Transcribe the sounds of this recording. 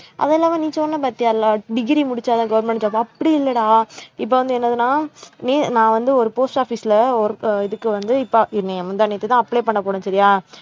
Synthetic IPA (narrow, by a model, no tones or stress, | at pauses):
ʔɐ̰ðɛɛlːaːʋãnĩːsɔːɾɐnːɐpaːɾt̪ɪjaːlaːɖɪɣɾimʊɽɪt͡ʃːaːðãːɡɐʋɐɾmɛ̃ɳʈt͡ʃaːpːɐɐpːɐɽiɪlːɐɽãːɪp̬ːoːʋɐnd̪ɯɛnːɐðɯnaːniːnãːʋɐnd̪ɯɔɾɯpoːsʈaːfiːsɪlɐɔɾɯɪðɯkːɯʋɐnd̪ɯɪpːoɪnẽɐmɐnd̪aniːt̪ːɯt̪ãːɐpːɭeːpɐɳːɐpoːɽẽsɐɾɪjaː